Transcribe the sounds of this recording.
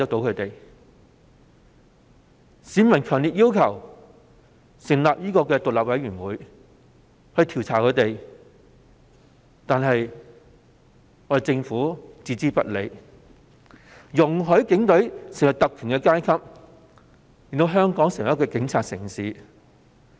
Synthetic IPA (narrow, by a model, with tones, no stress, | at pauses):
k̚t̪o˨˥wkʰɵ˨˧t̪e˨j | siː˨˥mɐ˨nkʰœː˨˩ŋliː˨t̚jiː˥wkʰɐ˨˩w | sɪ˨˩ŋlaː˨p̚jiː˥kɔː˧kɛː˧t̪ʊ˨k̚laː˨p̚wɐ˨˥jyː˨˩nwuː˨˥j | hɵ˧ɥt̪ʰi˨˩wt͡sʰaː˨˩kʰɵ˨˧t̪e˨j | t̪aː˨˧nɦɐ˨j | ɔː˨˩t͡sɪ˧ŋfuː˨˥t͡siː˧t͡siː˥pɐ̰˥t̚le˨˧j | jʊ˨˩ŋɦɵ˨˥ɥkɪ˨˥ŋt̪ɵ˨˥ɥsɪ˨˩ŋwɐ˨˩t̪ɐ˨k̚kʰyː˨˩nkɛ˧kaː˥jkʰɐ˥p̚ | i˨nt̪o˧wɦœː˥ŋkɔː˨˥ŋsɪ˨ŋwɐ˨˩jkɛː˧kɪ˨˧˥ŋt͡sʰaː˧t̚sɪ̰˨˩ŋsiː˨˥